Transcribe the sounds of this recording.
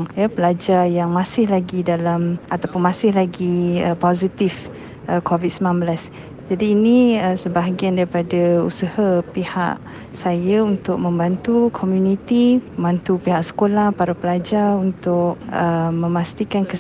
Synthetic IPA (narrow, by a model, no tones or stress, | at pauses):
japəlad͡ʒarjaŋmãsɪhlaɡidalamat̪apʊnmãsɪhlaɡiəpozit̪if | ʔəkʰovit̪̚səmnanbəlas | d͡ʒadiːnĩəsəbaɦaɡiandaɾipadausəhapiha̰ʔ | sajaunt̪ʊk̚mə̃mbant̪ukʰomjunit̪iməmbant̪upiɦaʔsə̥kolahpaɾapəlad͡ʒarunt̪ʊkəːə̃mast̪ikankə